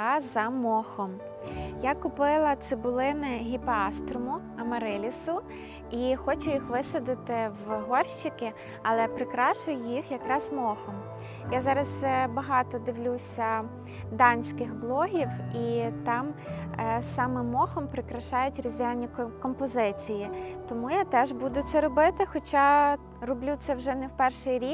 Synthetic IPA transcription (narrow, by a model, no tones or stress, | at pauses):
zɐmɔxɔm | jakʊpɪlˠɐt̪sɪbʊlˠɪnɪɦʲipɑst̪ɾʊmʊ | ɐmɐɾɪlʲisʊ | ixɔt͡ʃʊjixʋɪsɐd̪ɪt̪ɪwɦɔrʃt͡ʃɪkɪ | ɐlˠɛpɾɪkɾɑʃʊjʊjixjɐkɾɑzmɔxɔm | jazɑɾɐzbɐɦɑt̪ɔd̪ɪʋlʲusʲɐ | d̪ɑnʲsʲkɪxblˠɔɦʲiwit̪ɑm | sɑmɛmɔxɔmpɾɪkɾɐʃɑjʊtʲɾɔzʲʋʲinʲːikɔmpɔzɪt͡sʲijit̪ɔmujat̪ɛʒbud̪ʊt̪sɛɾɔbɪt̪ɪxɔt͡ʃɑ | rɔblʲut̪sɛwʒɛnɛwpɛrʃɪjɾʲik